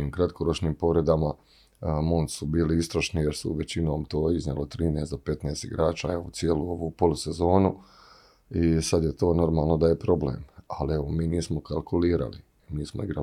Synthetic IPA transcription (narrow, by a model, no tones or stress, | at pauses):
iːmkɾat̪̚koɾot͡ʃniːmpo̞ʋɾe̞d̪ama | mont̪subiːliist̪ɾaʃnijeɾsṵʋe̞t͡ɕino̞ːmt̪o̞ːizɲelot̪ɾiːneːsd̪ope̞t̪neːst̪ḭɡɾaːt͡ʃaeosieluoʋupo̞lˠuse̞zo̞ːnu | isad̪jet̪o̞ːno̞ɾmaːlˠno̞d̪aje̞pɾo̞blḛːmalieʋomiːniːsmo̞kalˠkʰuliːɾa̰lḭ | miːsmo̰iɡɾa̰